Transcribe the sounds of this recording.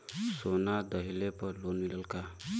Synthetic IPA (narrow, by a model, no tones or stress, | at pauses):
sonad̪ʌɦilepʌlonmiləlka